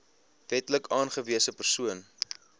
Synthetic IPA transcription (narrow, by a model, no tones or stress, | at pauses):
vɛtləkɑːnχəviəsəpərsuən